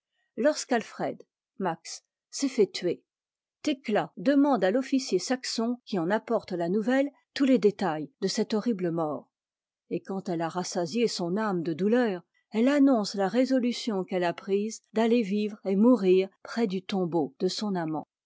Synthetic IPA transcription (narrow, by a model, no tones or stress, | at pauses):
lɔʁskalfχɛd̪ | maksː | ɛfɛt̪ɥe | t̪eklad̪əmɑ̃d̪alɔfisjesaksɔ̃kʲiɑ̃napɔʁt̪lanuvɛl | t̪uled̪et̪ajd̪əsɛt̪ɔʁibləmɔːʁ | ekɑ̃t̪ɛlaʁasazjesɔ̃namd̪əd̪ulœːʁ | ɛlanɔ̃slaʁezɔlysjɔ̃kɛlapχizd̪alevivʁemuʁiːʁpχɛd̪yt̪ɔ̃bod̪̥əsɔ̃namɑ̰̃